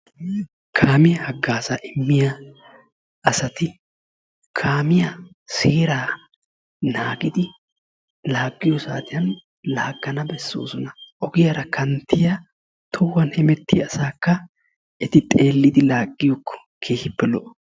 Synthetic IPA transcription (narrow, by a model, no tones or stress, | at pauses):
kʰaːmɪjɐhɐɡːaːsɐʔɪmːɪjɐ | ɐsɐt̪ɪ | kʰaːmɪjɐ | seːɾaː | naːɡɪd̪ɪ | laːɡːɪjɔsaːt̪ɪjɐn | laːɡːɐnɐbɛsːo̰ːsʊnɐʔɔɡɪjɐɾɐkʰɐnt̪ːɪjɐ | t̪ʰɔwːɐnhɛmɛt̪ːɪ̰ɐsaːkːɐ | ʔɛt̪ɪt̪ʼe̞ːlːɪd̪ɪlaːɡːɪjɔkːɔ̥ | kʰe̞ːhɪpːɛlɔʔ